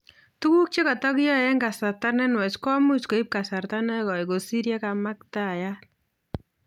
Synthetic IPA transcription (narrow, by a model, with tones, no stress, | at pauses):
tu˦ku˦k̚t͡ʃe˦kɔ˨tɔ˦ki˦jɔ˦ɛ˦ŋɡa˨sa˨rtanɛ˦nwɛ˨t͡ʃkɔ˦mu˦t͡ʃko˨i˦p̚ka˨sa˨rta˦nɛ˦kɔ˨iko˨si˦ɾja˦ka˨ma˦k̚ta˦˨ja˦